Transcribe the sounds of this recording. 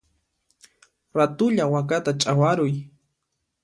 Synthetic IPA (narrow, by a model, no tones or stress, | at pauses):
ɾat̪ʊʎawakat̪at͡ʃʼawaɾʊj